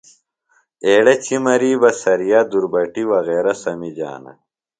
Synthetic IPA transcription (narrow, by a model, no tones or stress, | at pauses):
eːɽɐt͡ɕʰimɐɾiːbɐsɐɾijaːd̪uɾbɐʈiwɐɣeːɾɐsɐmid͡ʑa̰ːnɐ̰